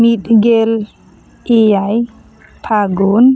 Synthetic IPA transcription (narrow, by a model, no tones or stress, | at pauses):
mit̪ɡel | ejaj | pʰaɡon